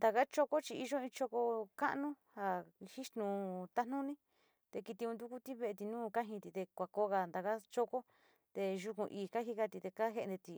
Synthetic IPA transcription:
nd̪a˧ka˦t͡ʃo˦˧ko˦t͡ʃi˧i˧ʒo˦ĩ˧t͡ʃo˧ko˧ka˦ʔnũ˦ha˧hi˦ʃt̪nũ˧t̪a˦nũ˦nĩ˦ | t̪e˧ki˧t̪i˧ũ˧d̪u˦ku˦t̪i˦βe˧e˧t̪i˧nũː˦ka˦ɦĩ˧t̪i˧t̪e˧kʷa˨ko˧ɣa˧nd̪a˨ka˦t͡ʃo˦ko˦ | t̪e˧ʒu˧kũ˧ʔiː˨ka˦ɦi˦ka˧t̪i˧t̪e˧ka˦ɦe˧e˧nd̪e˧t̪i˧˨

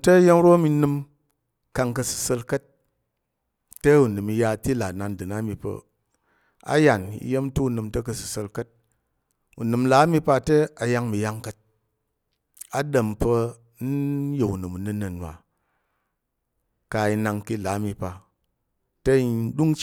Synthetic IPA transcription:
tə˦je˦m˦ɾo˦mi˧nɨ˧m | ka˧ŋkə˧sɨ̥˧sə˧lkə˦t̚ | ə˦u˨nɨ˨mi˧ja˧ti˦la˨na˨ndɨ˨na˦mi˧pə̰˧ | a̰˦ja˨nḭ˨˦je˦m˦tu˦u˧˨nɨ˧mtə˦kə˧sɨ̥˨sə˧lkə˦t̚ | ṵ˨nɨ˨mla˨˦mi˧pa˧tə˦a˧ja˦ŋmi˨ja˦ŋkə˧t̚ | a˨ɗə˨mpə˧ | n̩˦je˨u˨nɨ˨mu˨nɨ˧nə˨nwa̰˨ | ka˧i˧na˧ŋki˧˨la˨˦mi˧pa˧ | tə˦i˨n˦ɗu˦ŋ

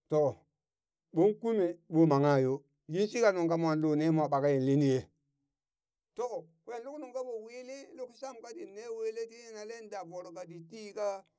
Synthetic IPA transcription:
to˨ | ɓo˦nku˦me˨ɓo˦ma˨ŋa˦˨jo˦ | ji˦nsi˦ka˨nu˨ŋka˦mwa˨nlo˨ne˦mʷ˦˨a˨ɓa˨ka˦ji˨n˨li˦ni˦je˦ | to˦˨ | kwʷe˦˨nlu˦knu˨ka˦bo˨wi˦li˦lu˦kʃa˦mka˦di˨ne˦we˦le˦ti˦e˦na˨le˦nda˨bo˨ɾo˨ka˨di˨ti˦ka˦

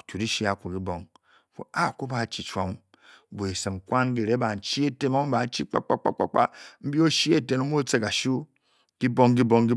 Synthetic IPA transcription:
tu˨ɾi˦ʃi˦a˨ku˨ɡi˦bo˦ŋ | fo̰˨a˦˨ko˦ba˨t͡ʃi˨t͡ʃo˦ŋ˨ | bo˨e˨sɨ˨m˨kwa˦nɡi˨ɾe˦ba˨n̩˨t͡ʃi˦e˦te˦mo˦ŋ˦ba˨˦t͡ʃi˦k͡pa̰˦k͡pa̰˦k͡pa̰˦k͡pa̰˦k͡pa̰˦m̩˦bi˦o˦ʃi˦e˦te˦no˦m˦o˦t͡se˦ka˨ʃo˦ | ki˦bo˦ŋɡi˦bo˦ŋɡi˦

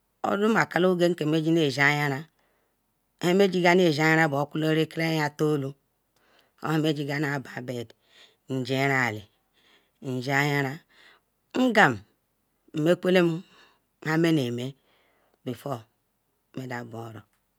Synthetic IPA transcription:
o̰˦du˦m˦a˨ka˦lo˦ɡe˦ŋ̩˦ke˨me˦d͡ʒi˦ne˨za˦ja˦ɾa˦ | e˦me˦d͡ʒi˦ɡa˦n˦e˨d͡ʒa˦ja˦ɾa˦˨bo˨˦ku˦lo˦ɾe˦ke˦ɾe˦ja˦to˦lo˦ | o̰˦he˦me˦d͡ʒi˦ɡa˦n˦a˨ba˨be˨d | n̩˨d͡ʒe˦ɾa˨li˨ | n̩˨d͡ʒa˦ja˦ɾa˦ | ŋ̩˦ɡa˨m˨ | m̩˨me˦kʷe˦le˦m˦ | ŋa˦me˦ne˨me˦ | bi˨fo˦ | me˨da˨bo˨˦ɾo˨

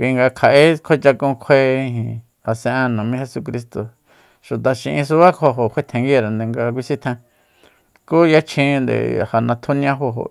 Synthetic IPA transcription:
kʷi˧ŋɡa˧kʰa˨ʔe˦kʰʷe˦t͡ʃa˧kũ˧kʷʰe˧ĩ˧ɦĩ˧ | a˨sẽ˧ʔã˧nũ˨mĩ˦he˧su˧k̬ɾi˧st̪o˨ | ʃu˨t̪a˨ʃḭ̃˧ʔĩ˧s̬u˧βa˦kʰo˧ɦo˨kʷʰe˦˧t̪ʰẽ˨˧ŋɡi˦˧ɾa˨nd̪e˨ŋɡa˧k̬ʷi˧sĩ˦t̪ʰẽ˧ | ku˦ja˦t͡ʃʰĩ˧nd̪ḛ˨ha˨nã˧t̪ʰu˦nĩã˦ɦo˧ɦo̰˨

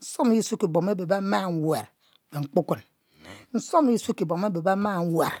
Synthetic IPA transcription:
n̩˦sɔ˦m˦i˦su˦kːi˨bo˨m˦e˦be˨ba˦ma˦˨ŋ˦we˨ɾ | be˨ŋ͡m̩˦˨k͡pu˦ku˦˨n | n̩˦so˦m˦ji˦su˦kːi˨bo˨me˦be˨ba˦ma˦˨ŋ̩˦we˨ɾ

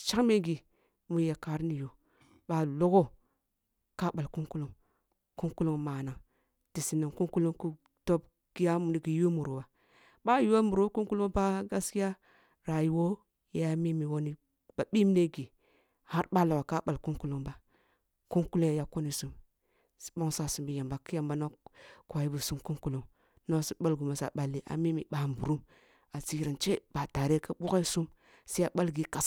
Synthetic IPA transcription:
t͡ʃa˦ŋme˦ɡi˨ | mu˨˦ja˨ka˨˦ɾni˨jo˨ | ba˨˦lo˦ɡo˦ | ka˦ɓa˨lku˦ŋku˦lu˨ŋ | ku˦ŋku˦lu˦ŋma˨na˨ŋ | d̥i˨si˨ni˨ŋku˦ŋku˦lu˦ŋku˦ | to˦b̚ | ɡ̥i˦ja˦m˨ni˨ɡi˨jo˦mu˨ɾu˨wa˨ | ɓa˦ju˦wo˦mu˨ɾo˦ku˦ŋku˦lu˦ŋba˦ɡa˦ski˦a˦ | ɾa˨ji˨wo˦ | ja˨˦mi˦mi˨wo˦ni˨ | ba˨ɓi˦m˦ne˦ɡi˨ | ha˦ɾɓa˦la˨wa˨ka˦ɓa˨lku˦ŋku˦lu˦ŋba˦ | ku˦ŋku˦lo˦˨ja˨ko˦ni˨su˨m | si̥˦ɓo˦ŋsa˦˨su˨mbi˨ja˨mba˨ki˦a˦˨mba˦no˦ku˨a˨ji˦bu˨su˦mku˦ŋku˦lu˨ŋ | no˦si˦ɓa˦lɡu˨ma˨sa̰˨ɓa˨lːi˨ʔa̰˨mi˦mḭ˨ɓa˨mbu˨ɾu˦m | a˨zi˦ɾa˨nt͡ʃe˦b̥a˨ta˨ɾe˦ka˦ɓu˦ke˦su˦m | si˦a˨ɓa˦lɡi˦ka˨s

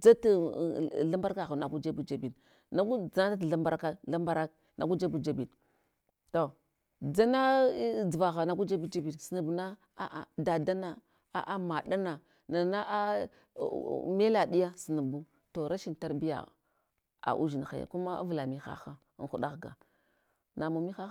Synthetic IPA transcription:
d͡za˦ta˨ɮa˦mba˦ɾka˦ɣa˨na˨ɡu˦d͡ʒa˦bu˦d͡ʒa˨bi˨n | na˦ɡu˦d͡za˦n˦ta˦tɬa˦mba˦ɾka˦la˦mba˦ɾa˦k̚ | na˨ɡu˦d͡ʒa˦bu˨d͡ʒa˦bi˨ | to˨ | d͡za˦na˦d͡za˨ɣa˨na˨ɡu˦d͡ʒa˦bu˦d͡ʒa˦bi˨nsi˨nu˨bu˨na˦ | a̰˨ʔa˨da˨da˦na˦˨ | a̰˨ʔa˦ma˨ɗa˦na˨ | na˨na˦ʔa˦˨ | me˦la˨di˦ja˦si˨nu˨bu˦ | to˨ɾa˦ʃi˦n˨ta˦ɾbi˦ja̰˨ | a̰˨ʔṵ˦ʒi˨n˨xa̰˨ja̰˨ku˦ma˦a̰˦vla˨mi˨xa̰˦xa˦n˨xu˦ɗa˦ɣɡa̰˨ | na˨mo˨mi˦xa˦

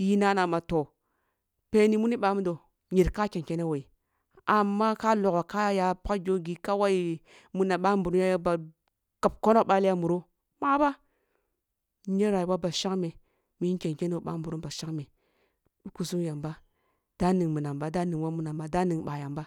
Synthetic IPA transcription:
ji˦na˦na˨ma˨to˨ | pe˨ni˨mu˦ni˦ɓa˨˦mu˦do˨ | ɲi˨ɾka˦ke˨ŋke˦ne˦wo˨i˨ | a˨mːa˦ka˦lo˨ko˨ka˦ja˨pka˦ɡʲo˦ɡi˨ka˦wa˦i˦˨ | mu˨˦na˨ɓa˦mbu˨ɾu˦a˦ja˦ba˨ | ka˨p̚ko˦no˦kɓa˦li˦ja˦mu˨ɾo˦ | ma˦ba˦ | ɲe˦ɾa˨i˨wa˦ba˨ʃa˦kme˨ | mi˨i˦kʲe˨ŋke˦ne˦o˨ɓa̰˦mbu˨ɾu˦ba˨ʃa˦kme˨ | ɗu˦ku˨su˦ŋ˦ja˨mba˦ | d̥a˦ni˨ŋmu˨na˨mba˦da˦ni˨ŋwa˦mu˨na˨mba˨˦da˦ni˨ŋɓa˨ja˨mba˦

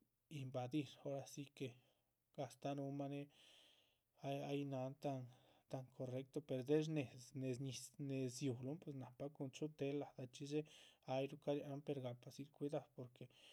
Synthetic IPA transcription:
i˧mba˨d̪i˧ɾo˦ɾa˧si˧ke˧ | ɡa˨st̪a˦nu˧ma˦ne˦ | a˧ja˦jna˧nt̪a˧nt̪a˧ŋkʰo˨re˧˦k̚t̪o˧pe˨ɾd̪e˦ɾne˨ne˧sɲi˧ne˨sju˨lu˦npwe˧sna˨pa˧˦ku˧nt͡ʃu˦t̪e˧˦la˨d̪a˧t͡ʃi˦d͡ʒe˦a˧jɾu˦ka˦ɾja˧n˦pe˧ɾɡa˨pa˧si˧ɾkʷi˧d̪ḁ˧po˨ɾke˨

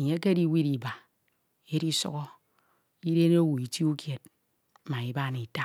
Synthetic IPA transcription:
e˨ɲe˦k̬e˦di˦wi˦ɾi˨ba˨ | e˦ɾi˦sṵ˦ɣɔ˦ | i˦ɾe˦n˦o˦wu˨i˨ti˦u˦kje˨t̩̚˨˦ | ma˨i˨˦ba˦ni˨ta˦

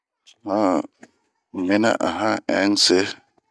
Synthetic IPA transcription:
hã˦˨ | me˦na̰˦ʔa˨ɦã˦ɛ˦n̩˦se˦

